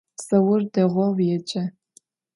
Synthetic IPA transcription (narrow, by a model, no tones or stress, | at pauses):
sɐwʊrdɐʁʷɔwjɛt͡ʃʼɐ